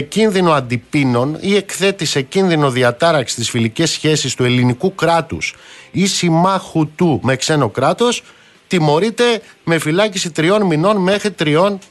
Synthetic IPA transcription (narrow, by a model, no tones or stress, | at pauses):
cinðino̞ɐnd̪ipino̞nie̞kθe̞t̪ise̞cinðino̞ðiɐt̪ɐɾɐksist̪isfilice̞sçe̞sist̪ue̞linikukɾɐt̪ṵsisimɐxut̪ume̞kse̞no̞kɾɐt̪o̞s | t̪imo̞ɾit̪e̞me̞filɐcisit̪ɾio̞nmino̞nme̞xɾit̪ɾio̞n